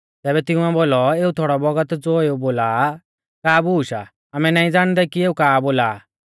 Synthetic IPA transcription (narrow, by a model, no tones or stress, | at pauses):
t̪ɛːβɛt̪ɪ̃ũɛboːlɔeːut̪ʰoːɽɔbɔɡət̪d͡zoːeuboːlaː | kaːbuːʃa̰ | amɛnaːĩd͡zaːɽ̃d̪ɛkieːukaːboːlaː